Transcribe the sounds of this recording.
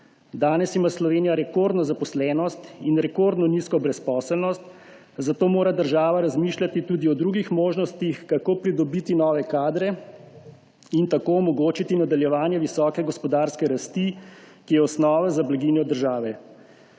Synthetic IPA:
d̪aːnɛsimaːslɔʋeːnijaɾɛkoɾd̪nɔzapɔslɛːnɔst̪inɾɛkoɾd̪nɔniskɔbɾɛspɔːsəlnɔst̪ | zat̪oːmoːɾad̪əɾʒaːʋaɾazmiːʃlʲat̪it̪uːd̪iɔd̪ɾuːɡixmoːʒnɔst̪ixkakoːpɾid̪ɔbit̪inɔːʋɛkaːd̪ɾɛ | int̪akoɔmɔɡoːt͡ʃit̪inad̪aljɛʋaːnjɛʋisɔːkɛɡɔspɔd̪aːɾskɛɾast̪ikijɛɔsnɔːʋazablaɡiːnjɔd̪əɾʒaːʋɛ

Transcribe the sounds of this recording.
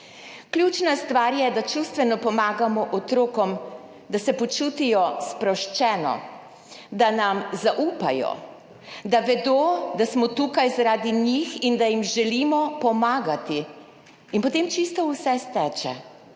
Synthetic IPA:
kljut͡ʃnast̪ʋaːɾjɛd̪at͡ʃust̪ʋɛnɔpɔmaːɡamɔʔɔt̪ɾoːkɔm | d̪asɛpɔt͡ʃut̪ijɔspɾɔwʃt͡ʃɛːnɔ̰ | d̪anamzaʔuːpa̰jɔ̰ | d̪aʋɛd̪oːd̪asmɔt̪ukajzaɾaːd̪iɲixind̪ajimʒɛlimɔpɔmaːɡat̪i | inpɔt̪emt͡ʃist̪ɔwsɛst̪ɛt͡ʃɛ̰

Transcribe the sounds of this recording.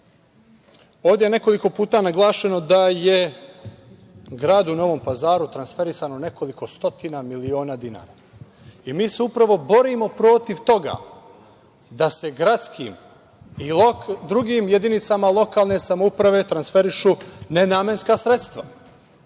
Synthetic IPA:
o̞ːʋd̪ʲjejene̞ko̞liko̞puːt̪anaɡlˠaːʃeno̞d̪aje | ɡɾaːd̪uno̞ʋo̞mpazaːɾut̪ɾansfe̞ɾisanone̞ko̞liko̞st̪o̞t̪inamilio̞ːnad̪ina̰ːɾa | imiːseupɾaʋo̞bo̞ɾiːmo̞pɾo̞t̪iʋt̪o̞ɡa̰ː | d̪ase̞ɡɾat̪skʰiːm | id̪ɾuɡiːmjed̪init̪samalˠo̞kaːlˠne̞samoupɾaʋe̞t̪ɾansfe̞ɾiʃuːnenaːmje̞nskasɾe̞t̪st̪ʋa

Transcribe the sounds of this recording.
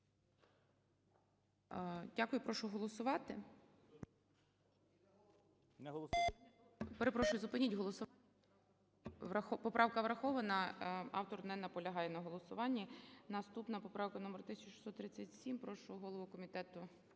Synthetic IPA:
dʲakʊjʊpɾɔʃʊɦɔlˠɔsʊʋɑt̪ɪ | nˠ | peɾepɾɔʃʊjʊzʊpɪnʲitʲɦɔlˠɔsʊ | ʋɐxɔpɔpɾʔɑʋkɐʋɾɐxɔʋɐnɐɑ̰wt̪ɔɾd̪nɛnːɐpɔlʲɐɦɑjɛnɐɦɔlˠɔsʊʋɑnʲːinɐst̪upnɐpɔpɾɑwkɐnumert̪ɪsʲɐt͡ʃʃi̥sɔt̪ːɾɪt͡sʲːɐtʲsʲimpɾɔʃlɔɦɔɦɔlˠɔʋʊkɔmʲit̪ɛt̪ʊ

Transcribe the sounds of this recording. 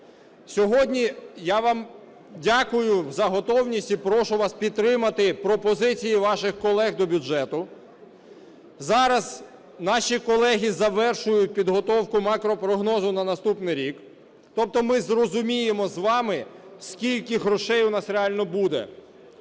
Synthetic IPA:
sʲɔɦɔdʲnʲijaʋɑm | dʲakʊjʊzɐɦɔt̪ɔwnʲisʲtʲipɾɔʃʊʋɑspʲid̪̚t̪ːɾɪmɐt̪ɪpɾɔpɔzɪt͡sʲijiʋɑʃɪxkɔlˠɛɣd̪ɔbʲʊd͡ʒɛt̪ʊ | zɑɾɐz | nɑʃʲikɔlˠɛɦʲizɐʋɛrʃʊjʊt̚ʲpʲid̪ɦɔt̪ɔwkʊmakɾɔpɾɔɦnɔzʊnɐnɐst̪upnɪjɾʲik | t̪ɔp̚t̪ɔmɪzrɔzʊmʲijemɔzʋɑmɪskʲilʲkɪɦɾɔʃɛjʊnɑsɾeɑlʲnɔbud̪ɛ̰

